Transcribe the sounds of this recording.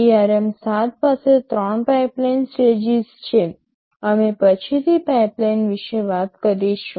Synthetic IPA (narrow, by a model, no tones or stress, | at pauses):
iaɾemsat̪̚paset̪ɾɔɳpajplajnsʈed͡ʒizt͡ʃʰe | əmepət͡ʃʰit̪ʰipajplajnʋiʃeʋat̪kəɾiʃũ